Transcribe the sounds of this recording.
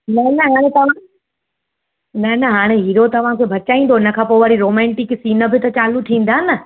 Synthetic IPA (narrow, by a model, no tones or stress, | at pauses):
nɐnɐɦaːɽ̃ẽt̪ã | nɐnɐɦaːɽ̃eɦiːɾot̪ɐʋ̤ãkʰebʱɐt͡ɕaːĩːnd̪oɪnə̆kʰãːpoːʋɐɾiɾoːmɛ̃ːɳʈɪksiːnə̆bɪt̪ɐt͡ɕaːlut̪ʰĩːn̆d̪aːɦɪnə